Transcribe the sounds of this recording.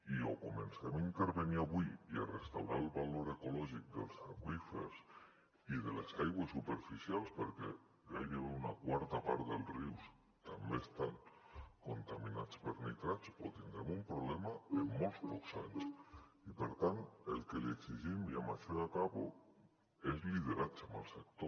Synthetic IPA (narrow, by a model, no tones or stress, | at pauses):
io̰komḛnsemint̪eɾβeniaβuiia̰rest̪awɾalˠβaloɾekulɔʒik̚d̪ḛlˠsaɾɣwifḛɾs | iðelesajɣwesupeɾfisjalˠspəɾkɛ̰ | ɡajðeβeunakwaɾt̪apaɾt̪d̪elˠriws | t̪ambeːst̪aŋkont̪aminat͡speɾnḭt̪ɾat͡ʃpɔt̪iŋd̪ɾamumpɾoβlɛmaemːolspɔksa̰ɲs | ipeɾt̪ant̪elkelieksiʒimiama̰ʃeakaβo̰ | ezlið̞eɾat͡ʃaməlˠsek̚t̪o